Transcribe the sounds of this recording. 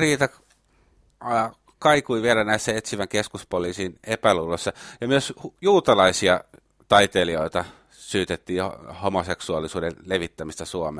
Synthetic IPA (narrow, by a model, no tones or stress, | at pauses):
riːt̪ɑ | kɑikuiʋielænæisːæet̪siʋæŋkeskuspoliːsiːnepælulːosːɑjɑmyøshjuːt̪ɑlɑisiɑ | t̪ɑit̪elioit̪ɑ | syːt̪et̪ːiːhomoseksuɑlːˑisuːdeleʋit̪ːæmist̪æsuɑme